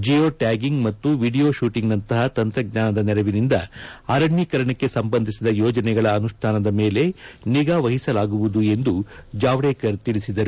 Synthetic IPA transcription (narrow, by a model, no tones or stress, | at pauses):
d͡ʒioːʈaːɡiŋɡmɐt̪ːuʋiːɖijo̞ːʃuːʈiŋɡnɐnt̪ɐɦɐt̪ɐnt̪ɾɐɡɲaːnɐd̪ɐnɛɾɐʋinind̪ɐɐɾɐɳjikɐɾɐɳɐkːe̞sɐmbɐnd̪ʱisid̪ɐjɔːd͡ʒɐnɛɡɐɭɐːnuʂʈʰaːnɐd̪ɐme̞ːle̞niɡaːʋɐɦisɐlaːɡuʋud̪ue̞nd̪ud͡ʒaːʋɽeːkɐɾt̪iɭisid̪ɐɾu